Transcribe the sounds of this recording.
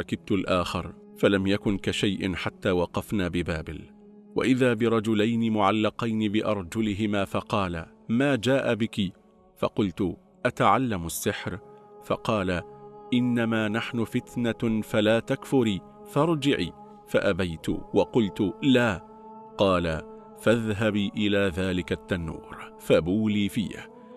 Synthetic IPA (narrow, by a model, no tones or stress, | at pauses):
ɑkɪb̚t̪ʊlʔaːxɪɾˤ | falamjakʊnkaʃajʔɪ̰nħat̪ːaːwɑqɑfnaːbɪbaːbɪ̰l | wa̰ʔɪðaːbɪɾˤɑd͡ʒʊlajnɪmʊʕalːɑqɑjnɪbɪʔɑɾˤd͡ʒʊlɪɦɪmaːfɑqɑːla̰ | maːd͡ʒaːʔabɪki | fɑ̰qʊlt̪ʊ | ʔat̪aʕalːamasːɪħɾfɑ̰qɑːlaʔɪnːamaːnaħnʊfɪt̪nafalaːt̪akfʊɾiː | fɑɾˤd͡ʒɪʕiː | faʔabajt̪ʊ̰wɑqʊlt̪ʊlaː | qɑːla | faðɦabiːʔɪlaːðaːlɪkat̪ːanːṵːɾfabuːliːfḭːa̰